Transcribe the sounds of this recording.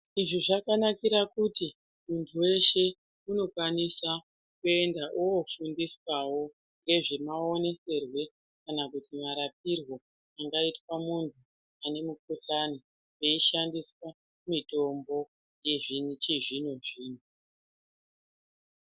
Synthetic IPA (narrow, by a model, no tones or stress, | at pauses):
iʐiʐakanakiɾakuti | muntʰuwe̞ʃe̞ | uno̞kwanisa | kue̞ndaʔuofundiswawo̞ | ŋɡe̞ʐimao̞ne̞se̞rwe̞ | kanakutimaɾap̚irwo̞ | aŋɡaitwamuntʰu | ane̞muk̚uɬani | jeiʃandiswa | mito̞mbo̞ | jeʐit͡ʃiʐinoʐiːn̤u